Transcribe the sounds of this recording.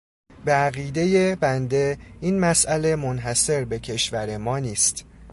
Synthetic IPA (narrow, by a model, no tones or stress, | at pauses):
beæɣiːd̪e̞je̞bænd̪e̞iːnmæsʔæle̞monɦæse̞ɾbe̞cʰe̞ʃvæɾe̞mɒːniːst̪